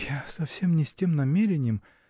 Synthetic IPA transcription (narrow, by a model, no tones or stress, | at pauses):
jasɐfsʲemnʲɪsʲtʲemnɐmʲeɾʲɪnʲɪjəm